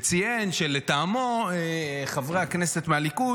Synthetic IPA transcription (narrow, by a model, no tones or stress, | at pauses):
t͡sijenʃelet̪aːmoeχavʁeaknese̞t̪mealiku